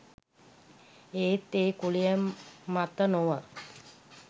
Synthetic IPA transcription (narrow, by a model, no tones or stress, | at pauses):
eːt̪eːkuɭijəmːat̪ənoʋə